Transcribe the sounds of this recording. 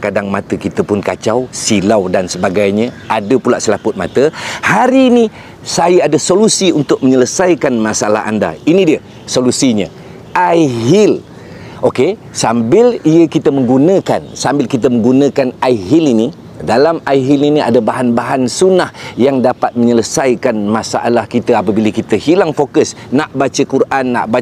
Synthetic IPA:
kadaŋmat̪əkit̪əpʊnka̰t͡ʃawsilawdansəbaɡajɲə̃adəpulaʔsəlapʊt̪̚ma̰t̪əhaɾiːni | sajəadəsolusiunt̪ʊk̚məɲələsajkanmasala̰ɦa̰nda̰inĩdiə | solusiɲə̃ | ʔajɦil | oke | sambɪliəkit̪əmə̃ŋɡunə̃ka̰nsambɪlkit̪əmə̃ŋɡunə̃kanaiɦilini | dalamajɦiliniʔa̰dabaɦanbaɦansunahjaŋdapat̪̚məɲələsajkanmãsa̰ʔalahkit̪əap̬əbiləkit̪əhilaŋfokəsnaʔbat͡ʃəkurʔanːa̰ʔba

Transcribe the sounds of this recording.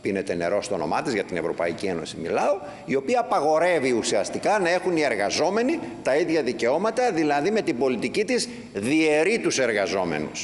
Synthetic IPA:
pinet̪e̞ne̞ɾo̞st̪ono̞mɐt̪izʝɐt̪ine̞vɾo̞pɐ̰icieno̞simḭlɐo̞ | io̞piɐːpɐɣo̞ɾe̞viusiɐst̪ikɐnɐe̞xunie̞ɾɣɐzo̞me̞nit̪ɐiðʝɐðice̞o̞mɐt̪ɐðilɐðime̞t̪ibo̞lit̪icit̪iz | ðie̞ɾit̪use̞ɾɣɐzo̞me̞̰nṵs

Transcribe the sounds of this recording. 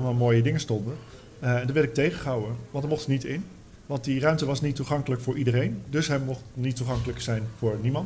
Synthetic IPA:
lmaːlˠmoːjədɪŋəstɔndə | ɛndəːʋɛɹɾɪk̚tejχəχəɦawəʋɑ̃ntdəmɔχtənitɪn | ʋɑntdirœɥmtəʋɑsnitːuχɑŋkələkfʊːɹʔidərejndɵsɦɛmɔχtnitːuχɑŋkələksɛjnvʊːɹnimɑnt

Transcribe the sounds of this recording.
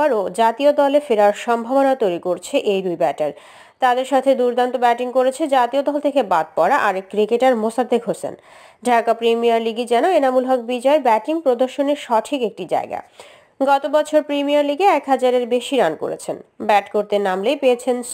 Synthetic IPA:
aɾod͡ʑat̪iod̪ɔlefeɾaɾʃɔmbʱabonat̪ojɾikoɾt͡ɕʰeʔejd̪ujbɛʈaɾ | t̪ad̪eɾʃat̪ʰed̪uɾd̪ʱant̪obɛʈiŋkoɾet͡ɕʰed͡ʑat̪iod̪ɔlt̪ʰekebad̪̚pɔɾaʔaɾekːɾikeʈaɾmosad̪ʱːekɦosḛn | ɖʱakapɾimiaɾliɡed͡ʑɛnoenamulɦɔk̚bid͡ʑɔebɛʈiŋpɾod̪oɾʃoneɾʃɔʈʰikek̚ʈid͡ʑa̰eɡa̰ | ɡɔt̪obɔt͡ɕʰoɾpɾimijaɾliɡeɛkɦad͡ʑaɾeɾbeʃiɾanko̰ɾḛt͡ɕʰenbɛʈkoɾt̪enamlejpeet͡ɕʰen

